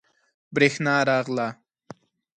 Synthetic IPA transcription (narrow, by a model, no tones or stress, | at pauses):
bɾexnɑːɾɑːʁla